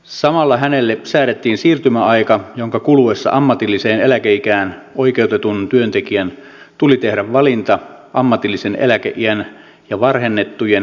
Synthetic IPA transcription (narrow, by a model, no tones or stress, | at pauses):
sɑmɑlːɑhænelːesæːɾet̪ːiːnsiːrt̪ymæɑikɑjoŋkɑkuluʋesːɑ̰ʔɑmːɑt̪ilːiseːnelækeikæːnoikeut̪et̪unt̪yønt̪ekiæn | t̪ulit̪ehɾæʋʋɑlint̪ɑ | ʔɑmːɑt̪ilːisenʔḛlækeʔiæn | jɑʋɑrhenːet̪ːujen